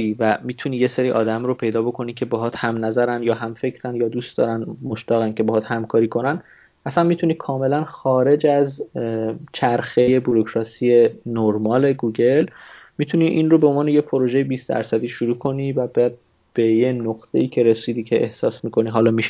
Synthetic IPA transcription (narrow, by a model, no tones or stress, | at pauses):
ivæmiːt̪ʰuniːje̞seɾiːʔɒːd̪æmɾopʰe̞jd̪ɒːbo̞kʰo̞nicʰe̞beɦɒːt̪hæmnæzæɾænd̪jɒːɦæmfe̞cʰɾænjɒːd̪uːst̪d̪ɒ̰ːɾænmo̞ʃt̪ɒːɣæncʰe̞beɦɒːt̪hæmkʰɒːɾiːkʰo̞næn | ʔæsænmiːt̪ʰuniːkʰɒːme̞lænxɒːɾe̞d͡ʒæz | t͡ʃʰæɾxe̞jebuɾocʰɾɒːsiːe̞noɾmɒːle̞ɡuːɟe̞lmiːt̪ʰuniʔinrobe̞onvɒːnejepʰo̞ɾo̞ʒejebiːst̪æ̰ɾsæd̪iːʃuɾuːkʰo̞niːvæbæd̪̚ | b̥e̞jenoqt̪ʰe̞̰iːcʰe̞ɾe̞siːd̪iːcʰeʔːhsɒːsmiːkʰo̞niːɦɒːlɒːmiʃ